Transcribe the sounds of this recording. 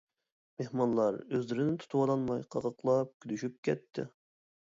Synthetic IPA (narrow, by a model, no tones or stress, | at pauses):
mehmɑnlˠɑɾøzlɪɾɪnɪt̪ʰu̥t̪ʰuwɑlˠɑnmɑjqʰɑʁəqlˠɑp̚kʲʰylyʃyp̚kʲʰɛt̪ʰːɪ̰